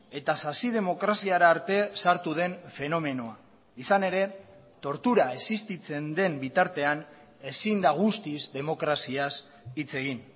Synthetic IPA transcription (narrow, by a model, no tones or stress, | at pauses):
e̞t̪asasið̞e̞mo̞kɾasiaɾaːɾt̪e̞saɾt̪uð̞e̞ɱfe̞no̞me̞no̞a | isane̞ɾe̞ | t̪o̞ɾt̪uɾaesist̪it͡se̞nd̪e̞mbit̪aɾt̪e̞an | e̞sind̪aɣ̞ust̪izd̪e̞mo̞kɾasias | it͡se̞ɣ̞in